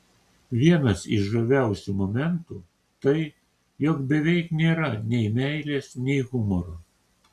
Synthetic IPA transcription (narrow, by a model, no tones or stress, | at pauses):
ʋʲiɛnɐsɪ̰ʃʒɐʋʲæˑʊsʲumɔmʲɛnt̪uː | t̪ɐɪ | jɔkbʲɛʋʲɛɪknʲeːɾɐnʲɛɪmʲæˑɪlʲeːsnʲɛɪɣʊmɔɾo